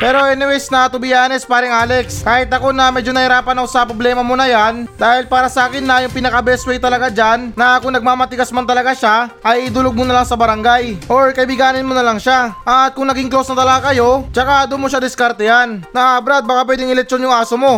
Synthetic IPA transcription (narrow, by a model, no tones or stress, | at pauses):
pɛːɾo̞ʔɛnɛwɛsnɐt̪ʊbɪjaːnɛspaːɾɪŋʔaːlɛkskaːhɪt̪ɐko̞nɐmɛːd͡ʒonɐhɪɾaːpɐnɐwsɐpɾoblɛːmɐmonɐjand̪aːhɪlpaːɾɐsɐʔaːkɪnːɐjʊŋpɪnɐkɐbɛswɛjt̪ɐlɐɡad͡ʒanːɐkʊŋnɐɡ̚maːmɐt̪ɪɡasmant̪ɐlɐɡaʃaʔɐjd̪ʊloɡ̚monɐlaŋsɐbɐɾɐŋɡajʔoɹkɐɪbɪɡaːnɪnmonɐlaŋʃaʔɐt̪̚kʊŋnɐɡɪŋklosnɐt̪ɐlɐɡakɐjo̞t͡ʃɐkad̪ʊmoʃad̪ɪskaɾt̪ɛjannɐʔabɾat̪̚bakapwɛd̪ɪŋɪlɛk̚t͡ʃonjʊŋaːsomo̞